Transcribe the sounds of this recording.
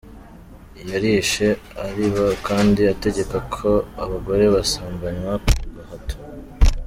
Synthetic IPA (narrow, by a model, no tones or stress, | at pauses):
jaɾiʃe̞aɾiβakaːndiate̞ɟe̞kakʰo̞aβaɡo̞ɾe̞βasaːŋɡaɲwakuuɡahato̥